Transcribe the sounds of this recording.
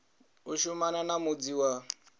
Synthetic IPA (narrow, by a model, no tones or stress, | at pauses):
uʃumananamud͡ziwa